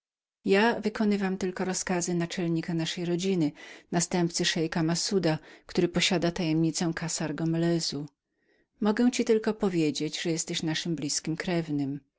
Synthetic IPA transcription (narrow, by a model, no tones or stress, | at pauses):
javɘkɔnɘvamt̪ɘlkɔɾɔskazɘnat͡ʂɛlɲikanaʂɛjɾɔd͡ʑinɘnast̪ɛmpt̪sɘʂɛjkamasud̪akt̪uɾɘpɔɕad̪at̪ajɛmɲit̪sɛw̃kʰasaɾɡɔmɛlɛzu | mɔɡɛw̃t͡ɕit̪ɘlkɔpɔvʲjed͡ʑed͡ʑʐɛjɛst̪ɛɕnaʂɘmblʲiskʲimkɾɛvnɘm